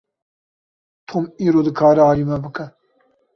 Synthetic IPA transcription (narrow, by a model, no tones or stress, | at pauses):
t̪ʰomiːɾoːd̪ɨkʰaːɾɛaːliːmɛbɨkɛ